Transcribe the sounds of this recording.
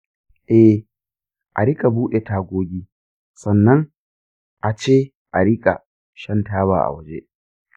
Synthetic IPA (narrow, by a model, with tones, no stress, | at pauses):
ʔɛ˦ | ʔa˨ɾɪ˦kʼa˨buː˦ɗe˨taː˦ɡʷoː˦ɡʲiː˦ | sɐ˨nːɐ˦ŋ | ʔa˨t͡ʃeː˦ | ʔa˨ɾɪ˦kʼa˨ | ʃɐ˦ntaː˦βa̰ː˨ʔa̰˨wɐ˨d͡ʒḛ˦ʔ